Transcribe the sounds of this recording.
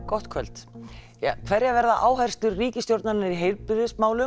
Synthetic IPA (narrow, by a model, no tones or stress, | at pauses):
kɔht̪kʰœl̥t̪ | akʰvɛɾjavɛɾðaʔaːwɦajr̥st̪ʏɾriːcɪst̪jowɾt̪naɾɪnɪɾiɦeːjlpɪɾɪsmaːwlʏ